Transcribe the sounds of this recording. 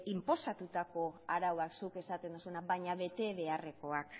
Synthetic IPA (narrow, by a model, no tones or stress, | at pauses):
impo̞sat̪ut̪ako̞aɾawaksuke̞sat̪e̞nd̪usunaβajɲaβe̞t̪e̞βe̞are̞ko̞ak